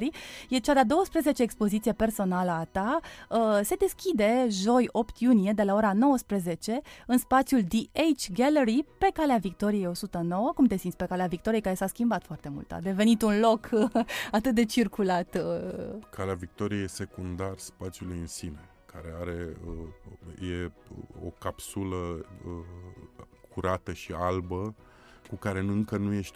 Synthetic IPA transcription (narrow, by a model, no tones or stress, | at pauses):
ɾijet͡ʃad̪ad̪o̞wəspɾeze̞t͡ʃe̞ːkspo̞zit̪sije̞pe̞rso̞naləat̪a | se̞d̪e̞skʲid̪e̞ʒo̞jo̞pt̪ʰjunije̞d̪e̞lao̞ɾano̞wəspɾeze̞t͡ʃe̞ɨnspat̪sʲjuld̪iejt͡ʃɡeleɾipe̞kaleavik̚t̪o̞ɾije̞jo̞sut̪əno̞wəkumt̪e̞sint̪ʲpe̞kaleavikt̪oɾijekaɾe̞saskʲimbat̪foart̪e̞mṵlt̪a̰d̪e̞ve̞nit̪unlo̞kat̪ɨt̪̚d̪e̞t͡ʃirkulat̪ | kʰaleavik̚t̪o̞ɾijejese̞kund̪arspat̪sjulujɨnsine | kʰaɾe̞aɾe̞əje̞o̰kapsuləə | kʰuɾat̪əʃialbə | kukaɾe̞nɨŋkənuje̞ʃt̪ʲ